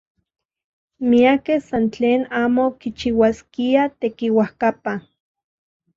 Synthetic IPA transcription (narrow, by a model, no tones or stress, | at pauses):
miakehsant͡ɬeːnaːmokit͡ʃiwaskiat̪ekiwahkapa